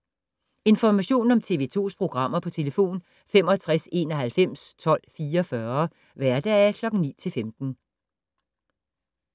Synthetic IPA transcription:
e̝nfɒmæɕo̝̰ːn̩ɒ̽mt͡sʰe̝ʋḛːt͡sʰo̝̰ːspʰʁo̝ɡ̥ʁɑ̈m̰ɐpʰɒ̽t͡sʰe̝ləfo̝̰ːn | fem̰ɒæt͡sʰʁɛse̝̰ːnɒ̽ɦælfem̰st͡sʰɒ̽l̰fiːɐɒfɶɐ | ʋæɐd̥ɛækʰlɒ̽ɡ̥ŋ̩nḭːt͡sʰe̝lfemd̥n̩

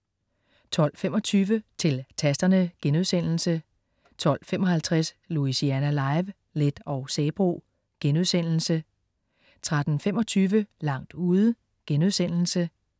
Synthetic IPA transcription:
t͡sʰɒ̽l̰fem̰ɒ̽t͡sʰyːʋət͡sʰe̝lt͡sʰæsd̥ɐnəɡ̥enuðˠsen̰l̩sə | t͡sʰɒ̽l̰fem̰ɒ̽hælt͡sʰʁas | luisiænælɑ̈ɪʋ | led̥ɒ̽ʊsɛːb̥ʁo̝̰ː | ɡ̥enuðˠsen̰l̩sə | t͡sʰʁad̥n̩femɒ̽t͡sʰyːʋəlɑ̈ŋ̰d̥uːðˠə | ɡ̥enuðˠsen̰l̩sə

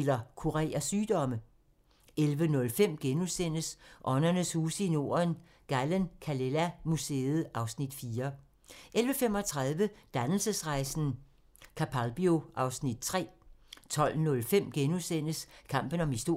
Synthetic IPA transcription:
lɐkʰuʁɛ̰ːɐsyːd̥ɒ̽mə | elʋənɔ̽lfem̰ɡ̥enusen̰əsʔɒ̽nɐnəshuːsəino̝̰ːɐɐn | ɡ̥ælənkʰælelæmuse̝ːð̩ˠʔɑ̈ʊsnid̥fiːɐ | ʔelʋəfem̰ɒ̽t͡sʰʁɑ̈ðˠʋəd̥ænl̩səsʁɑ̈ɪsn̩ | kʰæpʰælb̥io̝ʔɑ̈ʊsnid̥̚t͡sʰʁɛ̰ːt͡sʰɒ̽l̰nɔ̽lfem̰ɡ̥enusen̰əskʰɑ̈m̰b̥ən̩ɒ̽misd̥o̝

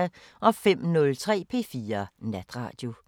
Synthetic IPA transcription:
ʔɒ̽fem̰nɔ̽lt͡sʰʁɛ̰ːpʰe̝ːfiːɐnæd̥ʁɑ̰̈ːd̥jo̝

